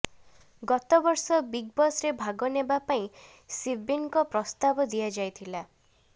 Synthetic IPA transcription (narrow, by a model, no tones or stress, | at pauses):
ɡɔt̪ɔbɔɾsɔbiɡ̚bɔsɾebʱaɡɔnebapaĩ | sibiŋkɔpɾɔst̪abɔd̪ijad͡ʒajt̪ʰila